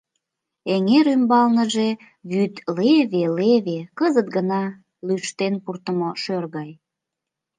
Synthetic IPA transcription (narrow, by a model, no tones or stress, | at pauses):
eŋeɾymbɑlnəʒe | βyt̪leβeleβekəzət̪̚ɡənɑ | lyʃt̪enpurt̪əmoʃørɣɑj